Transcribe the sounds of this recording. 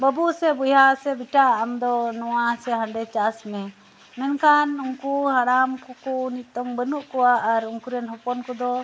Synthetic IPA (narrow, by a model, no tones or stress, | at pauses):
bəbuʔsɛbujasɛbiʈaamd̪ɔnɔwasɛɦãɳɖɛt͡ʃasmɛ | mɛnkanuŋkuɦaɾamkɔkɔnit̪ɔŋbənuʔkɔwaʔːɾuŋkuɾɛnɦɔpɔnkɔd̪ɔ